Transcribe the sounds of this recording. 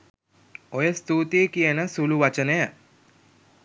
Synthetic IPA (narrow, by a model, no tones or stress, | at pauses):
ojəst̪uːt̪eːkijənəsuluʋat͡ʃənəjə